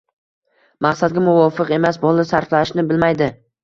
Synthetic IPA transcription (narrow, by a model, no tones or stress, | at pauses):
maqsad̪ɡʲamʊvɒfɨqe̞masbɒlˠɪsaɾflaɪʃnɪbɪlmajd̪ɪ